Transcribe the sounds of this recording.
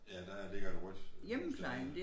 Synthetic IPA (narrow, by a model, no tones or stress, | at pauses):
jæd̥æle̝ɡ̥ɐd̥uʁɔd̥jeməkʰlɑɪn̩d̥e